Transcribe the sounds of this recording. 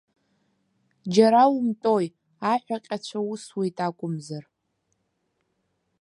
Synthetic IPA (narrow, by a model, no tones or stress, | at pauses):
d͡ʒaɾawumtʼoj | aħʷᶣaqʲʼat͡ʃʷʰauswejtʼakʷʼʊmzar